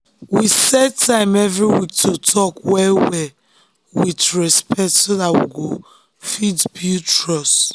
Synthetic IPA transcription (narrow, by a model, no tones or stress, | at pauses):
wisɛd̚tʰãɪ̃mɛvɹiwik̚tʰotʰɔkwɛwɛ | witɹɛspɛk̚tsodatwḭɡo | fidbjutɹɔs